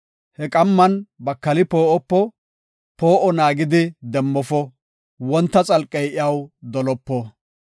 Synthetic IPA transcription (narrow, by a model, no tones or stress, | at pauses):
hɛkʼɐmːɐnbɐkːɐlɪpoːʔɔpːɔ | po̞ːʔɔnaːɡɪd̪ɪd̪ɛmːɔfɔ | wɔnt̪ːɐt͡sʼɐlkʼːɛjʔɪɐwd̪ɔlɔpːɔ